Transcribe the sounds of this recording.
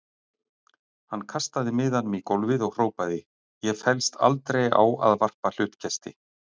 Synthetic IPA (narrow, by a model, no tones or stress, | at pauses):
hanːkʰast̪aðɪmɪːðanmikowlvɪðɔɣr̥oːwpaðɪ | jɛfɛlst̪ʰa̰lt̪ɾeja̰wa̰ðvar̥pal̥ʏht̪cʰɛst̪ɪ̰